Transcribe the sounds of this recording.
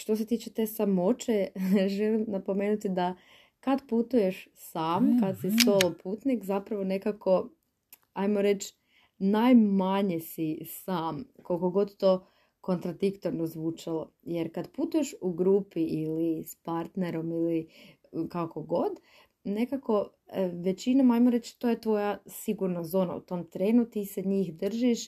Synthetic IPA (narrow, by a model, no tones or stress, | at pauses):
ʃt̪os̬e̞t̪iːt͡ʃet̪e̞samo̞t͡ʃeʒelimnapo̞meːnut̪id̪a | kad̪put̪uje̞ʃsaːmkad̪sist̪olˠopʰuːt̪nikzapɾaʋo̞ne̞kakʰo̞ | ajmo̞ɾe̞t͡ʃ | najmaɲesisaːmkolko̞ɡo̞d̪t̪o̞ː | ko̞nt̪ɾad̪ikt̪oɾnozʋuːt͡ʃalojeɾkad̪puːt̪uje̞ʃuɡɾuːpiʔilispaɾt̪neɾo̞mili | kako̞ɡo̞d̪ | ne̞kako̞ | ʋe̞t͡ɕinamajmoɾe̞t͡ʃt̪o̞ːje̞t̪ʋo̞jasiɡuɾnazo̞ːna̰ṵt̪o̞mt̪ɾe̞ːnut̪iseɲiːxd̪r̩ʒiʃ